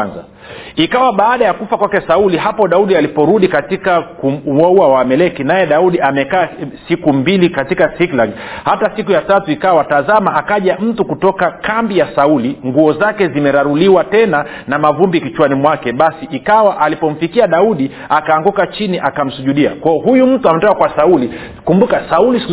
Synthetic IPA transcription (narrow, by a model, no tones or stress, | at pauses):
nza̰ | ikawaɓaːɗajakufakwakɛsauliɦapɔɗauɗialipɔɾuɗikatikakuauawamɛlɛkinajɛɗauɗiamɛkaːsikumbilikatikasiklaɡhatasikujatatuikawatazamaʔakaʄam̩tukutɔkakambijasauliŋɡuɔzakɛzimɛɾaɾuliwatɛna | namavumbikit͡ʃwanimwakɛɓasiʔikawaʔalipɔm̩fikiaɗauɗi | akaːŋɡukat͡ʃiniʔakam̩suʄuɗia̰kwaɔɦujum̩tuamɛtɔkakwasauli | kumbukasauli